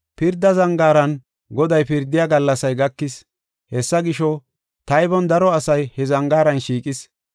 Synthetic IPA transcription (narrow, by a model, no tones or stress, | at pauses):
pɪɾd̪ːɐzɐŋɡaːɾɐn | ɡɔd̪ɐjpɪɾd̪ːɪjaːɡɐlːɐsɐjɡɐkːɪs | hɛsːɐɡɪʃɔ | t̪ɐjbɔnd̪ɐɾɔɐsɐjhɛzɐŋɡaːɾɐnʃiːkʼɪs